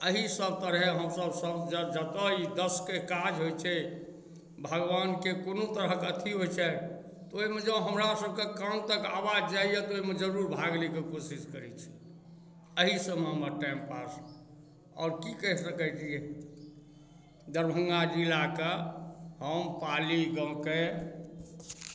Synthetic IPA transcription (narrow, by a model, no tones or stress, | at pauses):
əɦisəb̚ʱt̪əɾɦɛɦəmsəbsəbd͡ʒd͡ʒət̪əid̪əskekad͡ʒɦojt͡ʃʰɛ | bʱəɡʋankekonot̪əɾəɦkət̪ʰiɦot͡ʃʰɛ | t̪oimed͡ʒəɦəmɾasəb̚ʱkekamt̪əka̰wad͡ʒd͡ʒaijet̪oimed͡ʒəɾuɾbʱaɡlikekosiskəɾɛt͡ʃʰɛ̥ | əɦisəməməʈɛmpas | ɔ̰ːɾkikɛɦsəkɛt̪iɛ | d̪əɾbʱə̃ŋɡad͡ʒilakehəmpaliɡə̃ke